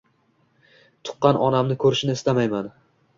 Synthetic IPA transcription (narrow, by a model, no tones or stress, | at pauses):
t̪ʰʊ̥qːɑnʔɒnamnɪkʰɵɾɪʃɪnɪɪst̪amajman